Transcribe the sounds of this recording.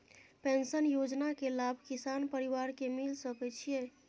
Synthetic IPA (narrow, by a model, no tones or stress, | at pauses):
pẽnsənjod͡ʒnakelabʱkisanpəɾiʋaɾkemilsəkɛt͡ʃʰije